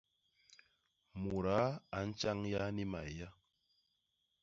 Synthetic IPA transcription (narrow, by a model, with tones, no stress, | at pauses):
mu˨ɾa˨˦a˨˦n̩˦t͡ʃa˦ŋja˦ni˦ma̰˨ja˦